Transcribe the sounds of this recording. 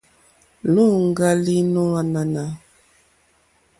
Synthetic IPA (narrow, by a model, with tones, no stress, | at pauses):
lu˦˨ŋ˦ɡa˦li˦nɔ˦a˦na˨na˨